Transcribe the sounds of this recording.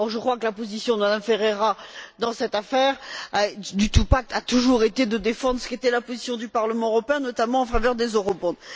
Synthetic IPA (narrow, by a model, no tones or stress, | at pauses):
ɔʁʒəkχwakəlapozisjɔ̃d̪əmad̪amfeʁeʁad̪ɑ̃sɛt̪afɛʁad̪yt̪upak̚t̪at̪uʒuʁet̪ed̪əd̪efɑ̃d̪ʁsə̥ket̪ɛlapozisjɔ̃d̪ypaʁləmɑ̃øʁɔpeɛ̃nɔt̪amɑ̃ɑ̃favœʁd̪ezøʁɔbɔ̃d̪